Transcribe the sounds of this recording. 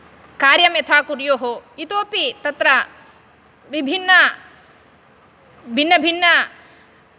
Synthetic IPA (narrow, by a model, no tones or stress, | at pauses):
kaːɾjɐmet̪ʰaːkuɾjoːɦoit̪oːpit̪ɐt̪ɾɐ | ʋibʱinːɐ | bʱinːɐbʱinːɐ